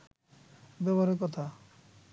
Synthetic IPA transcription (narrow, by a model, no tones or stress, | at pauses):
bɛbaɾekɔt̪ʰa